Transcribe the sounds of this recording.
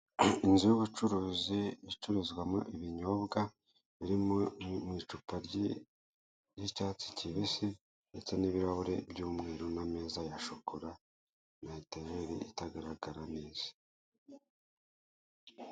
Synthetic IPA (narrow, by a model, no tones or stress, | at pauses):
inzijuβut͡ʃuɾuːziit͡ʃuɾizɡwamo̰ʔiβiɲo̞bɡa | βiɾimomwiːt͡ʃupaɾɟi | jicaːt͡si̥ciβisi | nde̞t͡se̞niβiɾaβuɾe̞̰bɟuːmŋeːɾonameːzajaʃokoɾa | naitejeɾḭitaɡaɾaɡaɾaneːz̥ḁ